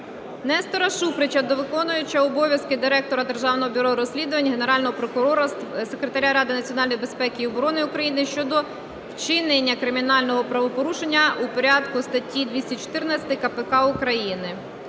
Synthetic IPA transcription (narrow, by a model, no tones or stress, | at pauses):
nɛst̪ɔɾɐʃupɾɪt͡ʃɐd̪ɔʋɪkɔnʊjʊt͡ʃːɐɔbɔʋʲjɐskɪd̪ɪɾɛk̚t̪ɔɾɐd̪e̞rʒɑwnɔɦɔbʲʊɾɔɾɔsʲlʲid̪ʊʋɐnʲɦene̞ɾɑlʲnɔɦɔpɾɔkʊɾɔɾɐt̪se̞kɾet̪ɐɾʲaɾɑd̪ɪnɐt͡sʲiɔnɑlʲnɔjbe̞spɛkɪiɔbɔɾɔnɪukɾɐjinɪʃt͡ʃɔd̪ɔ | wt͡ʃɪnenʲːɐkɾɪmʲinɑlʲnɔɦɔpɾɐʋɔpɔɾuʃenʲːɐupɔɾʲɑd̪kʊst̪ɐtʲːid̪ʋʲisʲɐt͡ʃɔ̥t̪ɪrnɐt͡sʲɐ̥t̪ɪkɐpekɑukɾɐjinɪ